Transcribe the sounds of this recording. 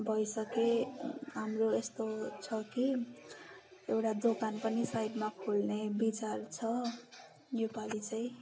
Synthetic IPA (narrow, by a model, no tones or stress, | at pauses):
bʱʌjsʌkeɦamroest̪ot͡sʰʌki | ewʈad̪okanpʌnisajdmakʰulnebit͡sart͡sʰʌ | njopalit͡saj̃